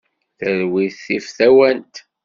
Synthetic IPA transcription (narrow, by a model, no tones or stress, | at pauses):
θəɾwiθifθæwænt̪